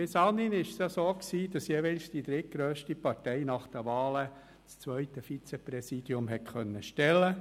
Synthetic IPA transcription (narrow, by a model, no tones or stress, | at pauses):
b̥ɪsɑninɪʃsjɑsoːksiːd̥ɑsjeʋɛlsd̥id̪ɾɪt̚ɡ̥ɾøːʃtipɑɾtɛɪnɑχd̥əʋɑːlə | t͡st͡sʋœʏtəfit͡sɛpɾɛsiːdiʊmɦɛtχœnːəʃtɛlːə